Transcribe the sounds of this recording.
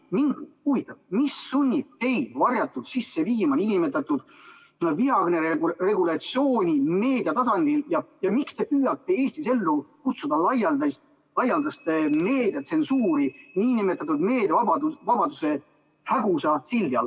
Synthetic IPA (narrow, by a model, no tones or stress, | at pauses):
miŋɡ̥huvit̪ːˑɑb̥̚misːunʲːib̚t̪e̞jd̪̥vɑrjɑt̪ːud̪̥sisːe̞viːmɑnʲinimet̪ːˑɑt̪ːˑud̪̥ | viɑɡneɾere̞ɡ̥ulɑt̪sijo̞ːnʲime̞ːd̥̪ʲjɑt̪ɑsɑnd̪̥iljɑjɑmikst̪e̞pyːjɑt̪ˑːe̞e̞ːsʲt̪ise̞lːukut̪sud̪ɑlɑjɑld̪ɑs | lɑjɑld̪̥ɑst̪emeːd̪̥jɑt̪se̞nsuːɾinʲiːnimet̪ːˑɑt̪ːˑud̪meːd̪̥ɑɑd̪uvɑb̥ɑd̪use̞ | hæɡusɑsilʲd̪iɑ̰l